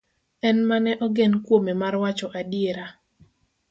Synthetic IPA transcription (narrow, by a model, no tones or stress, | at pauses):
ɛnmanɛʔɔɡɛnkwomemarwat͡ʃɔʔadieɾa